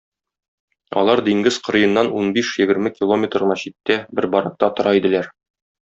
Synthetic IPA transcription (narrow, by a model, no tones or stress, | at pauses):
ɒ̰lˠɑɾd̪iŋɡɘz̥qŏɾɤ̆jɤ̆nːɑnunbiʃjɘ̆ɡɘ̆ɾmɘkʲilˠomʲet̪rʁɤ̆nɑɕit̪ːæbɘɾbɒɾɑq̚t̪ɑt̪ŏɾʔɑid̪ɘ̆læɾ